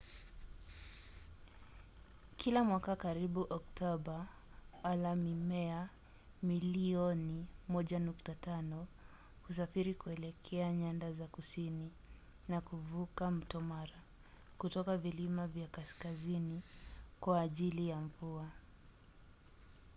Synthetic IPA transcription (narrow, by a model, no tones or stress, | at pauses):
kʰilamwakakaɾiɓuʔɔk̚tɔɓa | walamimɛa | miliɔnimɔʄanuktatanɔ | hus̬afiɾikuɛlɛkʰɛaɲandazakusini | nakuvukam̩tɔmaɾa | kutɔkavilimavjakaskazinikwaːʄilijaɱvua